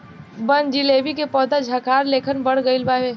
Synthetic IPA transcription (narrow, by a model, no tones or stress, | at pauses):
bənd͡ʒileːbikepɔːd̪ad͡ʒʱaːkaːɾleːkʰənbəɽɡəɪlbaːʋeː